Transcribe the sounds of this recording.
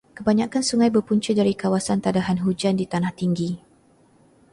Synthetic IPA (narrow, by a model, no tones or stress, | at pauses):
kəbaɲãkansuŋãjbərpuɲt͡ʃədaɾikawasant̪adaɦanɦud͡ʒandit̪anaht̪iŋɡi